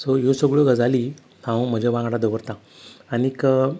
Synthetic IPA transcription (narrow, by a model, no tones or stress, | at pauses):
sɔjosəɡɭoɡəd͡zali | t̪ʰãw̃m̤əd͡ʑaʋãɡaɽad̪əʋəɾt̪ã | anikə